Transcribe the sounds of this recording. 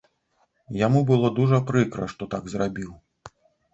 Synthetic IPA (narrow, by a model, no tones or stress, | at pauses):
jamubɨlˠɔd̪uʐɐpɾɨkɾɐ̰ʂt̪ɔt̪aɡzrabʲiw